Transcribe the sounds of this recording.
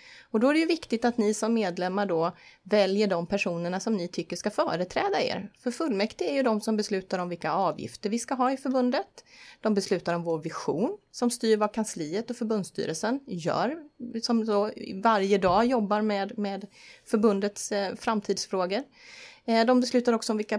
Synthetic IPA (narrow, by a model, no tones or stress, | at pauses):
ɔd̪ɔæɖɛjɵvɪkt̪ɪt̪at̪nɪsɔmːeːd̪lɛmːaɖɔvɛljəɖɔmpʰæʂuːnəɳasɔmnɪt̪ʰʏkːəʂkafœːɾət̪ʰɾɛːd̪aḛːɾfœɾfɵlːmɛkt̪ɪæɾjɵd̪ɔmsɔmbɛslʉ̟ːt̪aɾɔmvɪlkaɑːvjɪ̰ft̪əɾvɪskaɦɑːɪfœɾbɵnd̪ət̪d̪ɔmbɛslʉ̟ːt̪aɾɔmvoːɾvɪɧṵːnsɔmst̪yːɾvakʰansliːət̪ɔfœɾbɵnd̪st̪y̰ːɾəlsənjœ̰ːɾsɔmsovaɾjəd̪ɑːjɔbːaɾmɛd̪meːd̪fœɾbɵnd̪ət̪sfɾamt̪ʰiːd̪sfɾoːɡəɾ | d̪ɔmbɛslʉ̟ːt̪aɾɔksɔmvɪlka